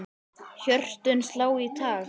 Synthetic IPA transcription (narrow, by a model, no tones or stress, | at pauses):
çœr̥t̪ʏnslaːwit̪ʰaː